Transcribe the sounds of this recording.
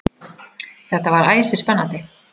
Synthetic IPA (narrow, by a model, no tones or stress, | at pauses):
θɛht̪avaɾaːjsɪspɛnːant̪ɪ